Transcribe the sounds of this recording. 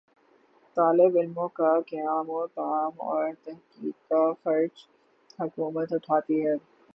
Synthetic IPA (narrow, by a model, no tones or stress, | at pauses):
t̪aːlɪbɪlmõkakɐjaːmõt̪aaːmɔ̰ːɾt̪ɐɦkiːd̪̚kafɐɾd͡ʒ | hɐkuːmət̪ɦʊʈʰaːt̪iɦɛː